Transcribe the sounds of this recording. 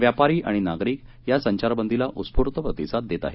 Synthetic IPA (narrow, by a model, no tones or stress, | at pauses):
ʋjapaɾiːʔa̰ɽ̃inaɡɾiːk | jasəɲt͡ɕaɾbənd̪ʱilaʔut͡sspuɾt̪əpɾət̪isat̪̚d̪et̪a̰ɦe